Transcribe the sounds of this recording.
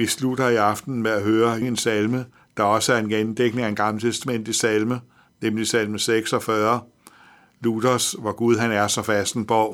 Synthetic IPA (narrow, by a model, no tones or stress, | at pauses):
ʋislud̥ɐiɑ̈fd̥n̩meæɦøːɐeŋe̝nsælmə | d̥ɑ̈ɒ̽səæɐe̝nɡ̥end̥eɡ̥ne̝ŋæe̝nɡ̥ɑ̈mlət͡sʰesd̥æmen̰d̥isælmə | nemn̩liisælməseɡ̥sɒfɶɐ | lud̥ɐsʋɒɡ̥uð̞ˠɦænæɐsɒ̽fæsd̥n̩b̥ɒʊ̰